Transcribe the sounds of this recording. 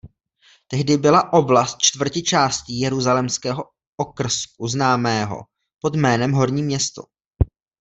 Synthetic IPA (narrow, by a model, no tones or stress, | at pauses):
t̪ɛɦdɪbɪlaʔo̞blast̪̚t͡ʃt̪vr̩cɪt͡ʃaːsciːjɛɾuzalɛmskɛːɦo̞ | ʔokr̩sk̚uznaːmɛːɦo̰ | po̞d̪mɛːnɛmɦo̞ɾɲiːmɲɛst̪o̰